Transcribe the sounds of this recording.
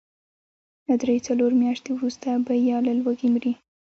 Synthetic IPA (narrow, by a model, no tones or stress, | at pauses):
lad̪ɾejt͡saloɾmjɑʃt̪ewɾust̪abajɑlalwaɡimɾi